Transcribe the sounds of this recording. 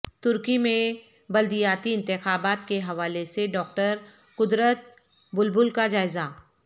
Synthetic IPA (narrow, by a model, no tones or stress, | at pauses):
t̪ʊɾkimẽ | bɐld̪ijaːt̪iɪ̃nt̪ɪxaːbaːt̪keɦɐʋaːleseɖɔːk̚ʈəɾ | kʊd̪ɾət̪̚ | bʊlbʊlkad͡ʒaːɪza